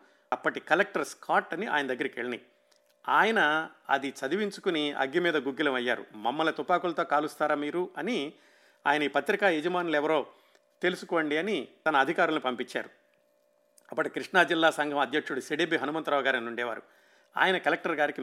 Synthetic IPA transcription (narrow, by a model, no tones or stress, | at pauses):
ɐpːɐʈikɐlek̚ʈɐɾskʰaːʈːɐniʔa̰ːjɐnɐd̪ɐɡːɐɾɐkḛɭɐnḭ | aːjɐnɐɐ̰d̪it͡ʃɐd̪iʋiɲt͡ʃu̥kuniɐ̰ɡːimiːd̪ɐɡuɡːilɐmɐjːa̰ːɾṵmɐmːɐlɐt̪upaːkulɐt̪o̞ːkaːlust̪aːɾaːmiːɾuɐni | a̰ːjɐnɐiːpɐt̪ɾikaːed͡ʒɐmaːnulɛʋɐɾo̞ː | t̪e̞lusu̥koːɳɖiɐnit̪ɐnɐːd̪ʱikaːɾulnipɐmpit͡ʃːa̰ːɾu | ɐpːɐʈikɾiʂnaːd͡ʒilːaːsɐŋɡʱɐmɐd̪jɐkʂuɽuseɽebiɦɐnumɐnt̪ɾaːɐɡaːɾɐnuɳɖɛːʋa̰ːɾṵ | a̰ːjɐnɐkɐlek̚ʈɐɾɡaːɾiki